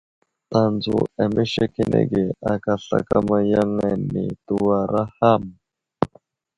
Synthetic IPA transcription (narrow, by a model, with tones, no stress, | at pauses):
ta˨nd͡zu˨a˨me˦ʃe˦ke˦nʔḛ˨ɡe˨a˨ka˨ɬa̰˨ka˦ma˦ja˦ŋa˨ni˨tu˦wa˨ɾa˦ha˦˨m